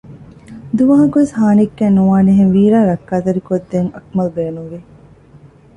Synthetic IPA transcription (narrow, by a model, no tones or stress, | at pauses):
d̪uʋɐɦɐkuʋeshaːnikːæːnːuʋaːniɦeŋʋiːɾaːɾɐkːaːt̪ɐɾikod̪ːeŋɐkmɐlbeːnuŋʋi